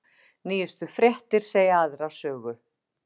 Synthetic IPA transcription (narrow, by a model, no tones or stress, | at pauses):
niːjɪst̪ʏfɾjɛht̪ɪɾ̥seːjaaːðɾasœːɣʏ